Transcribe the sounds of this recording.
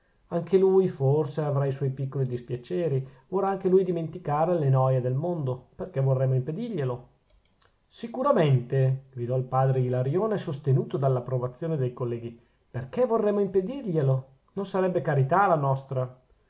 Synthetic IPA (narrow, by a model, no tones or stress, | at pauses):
aŋkʰelujforseavɾaiswɔjpikːolid̪ispjat͡ʃɛːɾivolrɾaaŋkelujd̪iment̪ikaːɾelenɔːjed̪elmond̪operkɛvorːɛmːoimped̪irʎelo | sikuɾament̪eɡ̥ɾid̪ɔilpaːd̪ɾeɡilaɾjoːnesost̪enuːt̪od̪alːapːɾovat̪sːjoːned̪ejkolːɛːɡi | perkɛvorːɛmːoimped̪irʎelo | nonsaɾɛbːekaɾit̪alanɔst̪ɾa